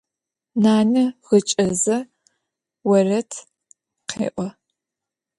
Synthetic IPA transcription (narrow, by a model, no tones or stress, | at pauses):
naːnɐʁət͡ʃʼɐzɐ | wɐrɐtʰ | qḛːʔʷɔ